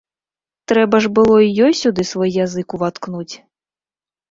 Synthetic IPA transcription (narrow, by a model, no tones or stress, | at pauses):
t̪ɾɛbɐʐbɨlˠɔijɔjsʲud̪ɨsvɔjːazɨkuvat̪knut͡sʲ